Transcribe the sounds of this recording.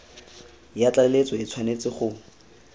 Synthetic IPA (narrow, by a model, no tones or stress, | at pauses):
jat͡ɬalet͡sɔɪt͡sʰwanet͡sɪχʊ